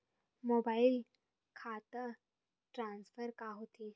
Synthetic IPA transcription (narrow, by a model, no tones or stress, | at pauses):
mobail | kʰat̪ə | ʈɾãnsfəɾkaɦot̪i